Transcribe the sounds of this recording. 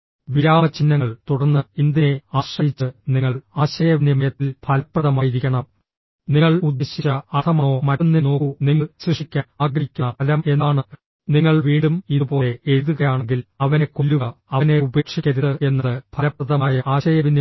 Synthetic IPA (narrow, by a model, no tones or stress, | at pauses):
ʋiɾaːmɐt͡ɕinːɐŋːɐɭt̪uɽɐrnːɨind̪jɐneaːɕrɐjit͡ɕːɨniŋːɐɭaːɕɐjɐʋinimɐjɐt̪ːilpʰɐlɐprɐðɐmaːjiɾikʲːɐɳɐm | niŋːɐɭud̪ːeɕit͡ɕːɐɐt̪ʰɐmɐoːmɐɾunːino̞ːkuniŋːɐɭɕriʂikʲːaaːɡɾikʲːunɐpɐlɐme̞nːaːɳɨ | niŋːɐɭʋiːɳɖumiðupo̞ːlee̞ɾuðuɣɐjaːɳeŋɡilɐʋɐnekːolːuɣɐɐɐne̞ube̞ːkʂikʲːɐɾuðɨe̞nːɐðɨbʰʱɐlɐpːrɐðɐmaːjɐʔaːɕɐjɐʋin